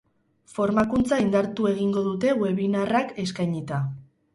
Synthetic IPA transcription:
fo̞ɾmakunt͡saind̪aɾt̪ue̞ɣ̞iŋɡo̞ðut̪e̞we̞βinarake̞skajɲit̪a

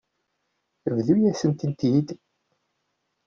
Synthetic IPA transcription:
vðujæsənt̪ənt̪id̪

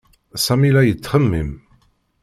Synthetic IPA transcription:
sæmilæjət͡sːχəmːim

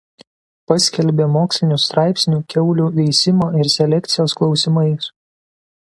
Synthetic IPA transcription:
pɐsʲkʲɛlʲbʲeːmoːksʲlʲɪnʲuːˑst̪ɾɑˑɪpʲsʲnʲuːkʲɛʊlʲuʋʲɛɪsʲɪmoːɪɾsʲɛlʲɛkʲt̪sʲɪjoːsklˠɒʊsʲɪmɐɪs

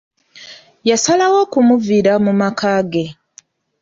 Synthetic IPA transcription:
jasalawo̞kumuviɾamumakaːɡe̞

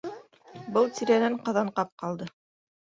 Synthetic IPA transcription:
bɤlˠt̪iɾænæɴqɑ̆ðɑɴqɑp̚qɑlˠd̪ɤ

